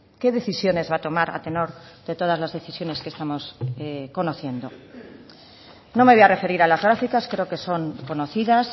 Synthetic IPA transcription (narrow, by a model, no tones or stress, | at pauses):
ke̞ðe̞θisjo̞ne̞zβat̪o̞maɾa̰t̪e̞no̞ɾðe̞t̪o̞ð̞azlazðe̞θisjo̞ne̞ske̞st̪amo̞seko̞noθje̞nd̪o̞ | no̞meoare̞fe̞ɾiɾalazɣɾafikaskɾe̞oke̞so̞ŋko̞no̞θiðas